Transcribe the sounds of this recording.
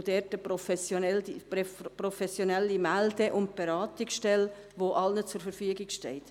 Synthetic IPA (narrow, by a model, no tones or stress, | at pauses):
d̥ɛːtəpɾɔfɛsjoɛl | prɔfɛsjonɛlːimældəʔʊnt̚b̥ɛɾɑːtɪksʃtɛl | ʋoʔɑlnət͡sʊɾfəɾfyəɡɪkʃtɛɪt̪